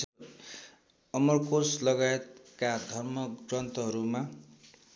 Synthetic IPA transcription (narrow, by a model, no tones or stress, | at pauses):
ʌmʌrkoslʌɡajet̪kad̪ʱʌrmʌɡrʌnt̪ʌɦʌɾuma